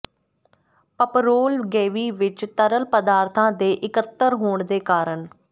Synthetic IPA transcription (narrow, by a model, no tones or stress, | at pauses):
pəpɾoːlɡeːʋiːʋɪt͡ʃt̪əɾəlpəd̪aːɾt̪ʰãːd̪eːʔɪkət̪ːəɾɦoːɳd̪eːkaːɾəɳ